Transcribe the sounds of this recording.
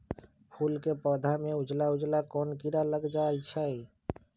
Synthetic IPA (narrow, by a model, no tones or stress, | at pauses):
pʰulkepɔːd̪ʱameud͡ʒlaud͡ʒlakɔːnkiɾaləɡd͡ʒajt͡ʃʰəj